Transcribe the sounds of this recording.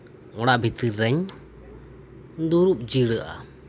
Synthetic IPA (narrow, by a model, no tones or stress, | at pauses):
ɔɽaʔbʱit̪iɾːɛɲ | d̪uɾup̚d͡ʒiɽəʔa̰